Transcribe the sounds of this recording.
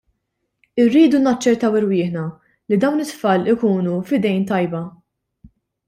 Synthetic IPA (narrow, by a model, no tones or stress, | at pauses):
ɪrːiːd̪unɐt͡ʃːɛɾt̪ɐwɪɾwɪːħnɐ | lid̪ɐwnɪt̪ːfɐːlɪkuːnufɪd̪ɛjnt̪ɐjbɐ